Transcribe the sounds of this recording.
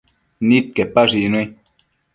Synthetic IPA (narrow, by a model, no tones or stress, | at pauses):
nit̪̚kepaʐinwi